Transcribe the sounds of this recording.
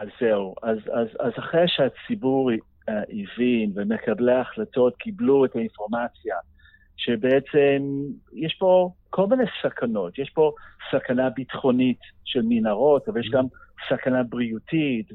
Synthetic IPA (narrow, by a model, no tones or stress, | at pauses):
azeuazazazaχʁeʃeat͡sibuʁ | ivinvemekʰableaχlato̞tkʰibluetainfo̞ʁmat͡sja | ʃebeet͡semjeʃpo̞kʰolminesakʰano̞tjeʃpo̞sakanabitχo̞nitʃelminaʁo̞tavaljeʃ̬ɡamsakanabʁiutit